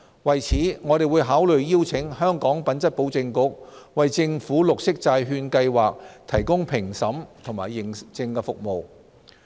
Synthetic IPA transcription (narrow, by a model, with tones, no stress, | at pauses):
wɐ˨jt͡sʰiː˨˥ŋɔː˨˧ɾe˨jwuː˨˧jɦaː˨˥wlɵ˨ɥjiː˥wt͡sʰɪ˨˥ŋhœː˥ŋkɔː˨˥ŋpɐ˨˥nt͡sɐ˥t̚po˨˥wt͡sɪ˧ŋkʊ˨˥k̚wɐ˨jt͡sɪ˧ŋfuː˨˥lʊ˨k̚sɪ˥k̚t͡saː˧jɦyː˧nkɐ˧jwaː˨k̚t̪ʰɐ˨˩jkʊ˥ŋpʰɪ˨˩ŋsɐ˨˥mt̪ʰʊ˨˩ŋmaː˨˩jɪ˨ŋt͡sɪ˧ŋkɛ˧fʊ˨k̚mo˨w